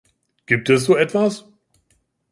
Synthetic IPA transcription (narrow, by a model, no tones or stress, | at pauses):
ɡ̥iːp̚tɛsz̥oːɛtv̥as